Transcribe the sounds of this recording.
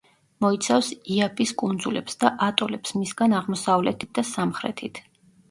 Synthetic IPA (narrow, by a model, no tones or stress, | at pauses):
mɔit̪sʰafsiapʰʼiskʼund̪zulɛpsd̪aʔat̪ʼɔlɛpsmisɡanaʁmɔsavlɛt̪ʰi̥t̪̚d̪asamχɾɛ̰t̪ʰit̪ʰ